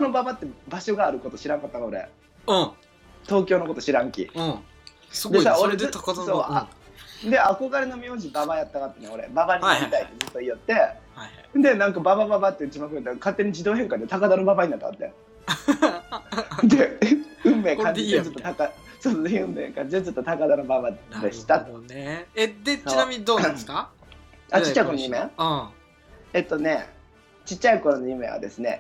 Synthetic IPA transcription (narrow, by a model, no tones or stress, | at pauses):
no̞babat̪ːe̞baɕo̞ɡaːɾɯ̟ko̞t̪o̞ɕiɾãŋkat̪ːakao̞ɾe̞̰ | t̪o̞ːkʲo̞ːnoko̞t̪oɕiɾãŋkʲḭ | sd̪esaɾaoɾesoːa̰d̪e̞ako̞ɡaɾeno̞mʲioːʑibaβajat̪ːakat̪ːeneo̞ɾḛbabaɲ̟inaɾʲit̪aitt̪ːed͡zɨt̪ːoijːot̪ːe̞ | d̪e̞nãŋkababababat̪ːed͡ʑimakɯ̟ɾɯt̪ːakat̪ːe̞ɲ̟id͡ʑid̪o̞ːɦẽ̞ŋkad̪et̪akad̪ano̞babaɲinat̪ːat̪ːe̞̰ | d̪eɯ̟̃mːe̞ːkãɲd͡ʑid̪et͡ɕot̪ːot̪akasoːsoːeɯ̟̃mːḛːkãɲ̟d͡ʑid̪et͡ɕot̪ːo̞t̪akad̪anobabad̪e̞ɕi̥t̪at̪o | d̪einamʲiɲid̪oːeska | at͡ɕi̥t͡ɕːaiko̞nonɯmẽ | et̪ːo̞ne̞ | t͡ɕit͡ɕːaiko̞ɾonojɯ̟me̞̰βa̰d̪e̞sɨne